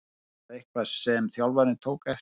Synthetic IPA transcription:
ehkvað̥sɛmθjawlvaɾnɪt̪ʰoːwkɛf

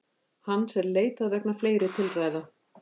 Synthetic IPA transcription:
hanːsɛmleːjt̪aðvɛknafleːjɾɪt̪ʰɪlraːjða

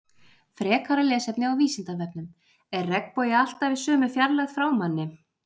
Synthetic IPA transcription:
fɾɛːkʰaɾalɛːsɛpnɪawviːsɪnt̪avɛp̚nʏm | ɛrːɛkpɔjɪal̥t̪avɪðsœːmʏfjaɾlɛɣfɾawmanːɪ

